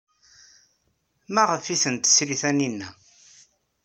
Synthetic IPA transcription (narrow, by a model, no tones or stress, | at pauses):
mæʁəfiθənt̪ə̥sɾiθæninːæ